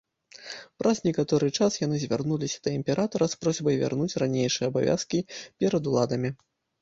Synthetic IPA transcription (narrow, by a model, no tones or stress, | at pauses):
pɾʔɐznʲɛkat̪ɔɾɨt͡ʂasjanɨzʲvʲarnulʲisʲɐ̥d̪̥ɐimʲpʲɛɾat̪ɐɾɐspɾɔzʲbɐjvʲa̰rnut͡sʲranʲejʂɨjɛɐbavʲa̰skʲipʲɛɾɐd̪ulˠad̪ɐmʲi